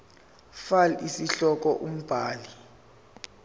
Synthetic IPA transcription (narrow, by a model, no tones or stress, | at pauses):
falisiɬɔk̬ʼɔʔum̩b̥ʱaːli